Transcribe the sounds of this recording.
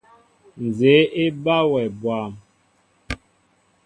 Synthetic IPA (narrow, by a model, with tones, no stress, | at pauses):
n̩˨ze˨˦e˦ba˦wɛ˨bwa˨m